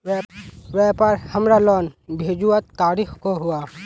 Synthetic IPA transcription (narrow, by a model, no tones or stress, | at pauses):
ʋɛːpəɾhəmɾalɔːnbʱeːd͡ʒuət̪ːaːɾixkoɦʊa